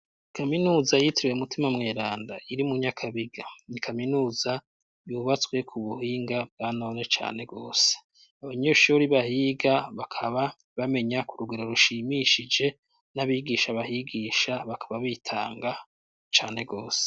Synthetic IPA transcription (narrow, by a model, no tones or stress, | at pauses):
kaminuːzajitɾiweumutimamŋeːɾaːndaiɾimuɲakʰaβiɡanikʰaminuːza | juβat͡swe̞kʰuβuhiːŋɡab̚ɡano̞ne̞t͡ʃa̰ːne̞bɡo̞ːse̥ | aβaɲoʃuɾiβahiɡaβakʰaβa | βame̞ɲakuɾuɡeɾo̞ɾuʃimiʃid͡ʒe̞ | naβiɡiʃaβahiɡiːʃaβakʰḁβaβitʰa̰ːŋɡa | t͡ʃaːne̞ɡo̞ːse̥